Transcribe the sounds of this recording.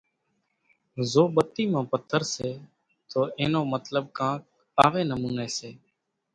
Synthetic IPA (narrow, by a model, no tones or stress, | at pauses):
zoːɓət̪ːiːmãːpət̪ʰːəɾseː | t̪oːeːnoːmət̪ləɓ̚kãːk̚ | aːʋeːnəmũːneːseː